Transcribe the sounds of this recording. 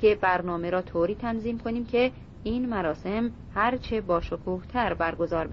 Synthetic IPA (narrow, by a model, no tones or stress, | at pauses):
ebæɾnɒːme̞ɾɒːt̪ʰoːɾiːt̪ʰænziːmkʰo̞niːmcʰe̞ | iːnmæɾɒːse̞m | hæɾt͡ʃʰe̞bɒːʃokʰuːht̪ʰæɾbæɾɡo̞zɒːɾbe